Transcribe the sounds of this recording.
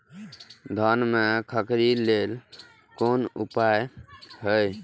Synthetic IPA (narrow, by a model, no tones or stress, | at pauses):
d̪ʱənmekʰəkɾilel | konṵpajhəj